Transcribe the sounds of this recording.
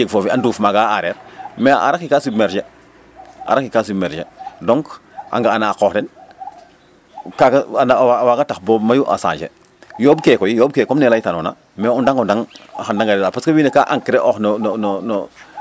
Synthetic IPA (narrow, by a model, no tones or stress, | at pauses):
jeɡfoːfianduːfmaɡaaɾeːɾmeʔa̰ɾakikasubmeɾʃe | a̰ɾakikasubmeɾʃedoŋkʔa̰ŋɡaːnaːkoːxden | kaɡaanawawaɡataxbomajuʔa̰sa̰ːɲd͡ʒḛ | joːbkekojijoːbkekomnelajtanuna̰ | meundaŋundaŋxandaŋɡadedapaskawinekaʔaŋkiɾeʔoxnononono